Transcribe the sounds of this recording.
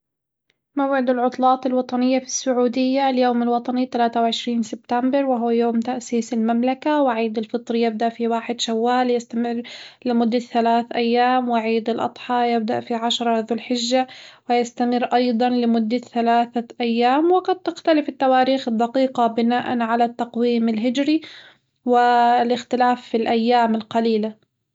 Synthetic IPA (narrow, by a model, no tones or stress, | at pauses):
mawʕɪd̪ɪlʕʊt̪ˤlɑːt̪ˤɪlwɑt̪ˤɑnɪjːafi̥sːʊʕuːd̪ɪjːaljoːmalwɑt̪ˤɑnit̪alaːt̪awʕɪʃɾiːnsɪbt̪ambɪɾˤwɪɦwjoːmt̪aʔsiːsɪlmamlakawɪʕiːd̪ɪlfɨt̪ˤɾjɪb̚d̪aʔfiwaːħɪd̪ʃawːaːljast̪amɪrːlɪmʊd̪ːaθalaːθʔajːaːmwɪʕiːd̪ɪlʔɑ̰d̪ˤħɑːjɪb̚d̪aʔfiʕaʃɾˤɑðʊlħɪʒːawɪjast̪amɪrʔɑjd̪ˤɑnlɪmʊd̪ːaθalaːθaʔajːaːmwɪqɑd̪̚t̪ɪxt̪alɪfɪt̪ːawaːɾiːxɪd̪ːɑqiːqɑbɪnaːʔa̰nʕalat̪ːɑqwiːmɪlɦɪd͡ʒɾi | wɪlɪxt̪ɪlaːfːilʔajːaːmɪlqɑliːla